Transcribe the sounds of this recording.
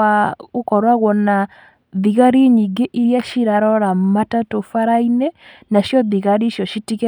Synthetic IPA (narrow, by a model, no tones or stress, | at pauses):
aokɔɾwaɣwɔna | ðiɣaɾiɲiɡeʔiɾjaʃiɾaɾɔɾamatatofaɾaine | naʃjɔðiɣaɾiʃjɔʃitikɛ